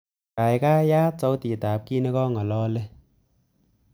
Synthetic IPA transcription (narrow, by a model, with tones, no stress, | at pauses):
kaː˨˩jkaː˦˥˩jaː˦˥t͡so˨˥wt̪iː˨˩t̪aː˨˩p̚kiː˦˧˨ne˧kɔː˧˩˨ŋɔ˨˩˨lɔː˧le˧˦